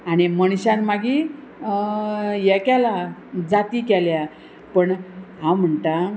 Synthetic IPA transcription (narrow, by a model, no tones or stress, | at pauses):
aɽ̃iməɽ̃ɕãnmaɡi | jɛkalad͡zat̪iːkɛlja | pəɳɦãm̤əɳt̪a